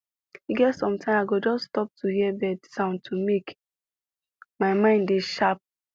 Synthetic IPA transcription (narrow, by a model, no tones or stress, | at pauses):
iɡɛtsɔ̃mtãɪ̃maɡod͡ʒɔsːtɔp̚tʰuhiɛbɛdsãʊ̃ntʰumek | maɪmãɪ̃ndeʃap̚